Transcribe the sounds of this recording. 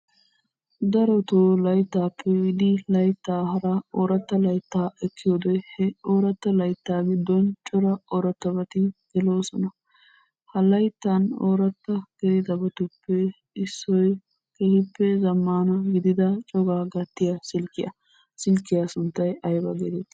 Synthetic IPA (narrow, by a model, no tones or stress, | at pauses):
d̪ɐɾɔt̪oːlɐjt̪ːaːpʰːɛwɪd̪ɪlɐjt̪ːaːhɐɾɐoːɾɐt̪ːɐlɐjt̪ːaːɛkːɪjoːd̪ɛhɛoːɾɐt̪ːɐlɐjt̪ːaːɡɪd̪ːɔnt͡ʃʼɔɾɐɔɾɐt̪ːɐbɐt̪ɪɡɛloːsɔnɐ | hɐlɐjt̪ːɐnoːɾɐt̪ːɐɡɛd̪ɐbɔt̪ʊpːɛ | ɪsːɔj | kɛhɪpːɛzɐmːaːnɐɡɪd̪ɪd̪ɐt͡ʃʼɔɡaːɡɐt̪ːɪjɐsɪlkːɪjɐ̰ | sɪlkːɪjɐsʊnt̪ːɐjɐjbɐɡɛd̪ɛt̪